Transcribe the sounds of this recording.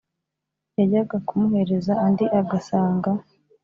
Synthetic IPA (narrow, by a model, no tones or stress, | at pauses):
jaɟaɡakumuhe̞ɾe̞zaːndiʔaɡasaːŋɡa